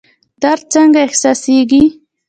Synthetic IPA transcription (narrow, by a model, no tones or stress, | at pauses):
d̪̥aɾt͡saŋɡaehsaseɡi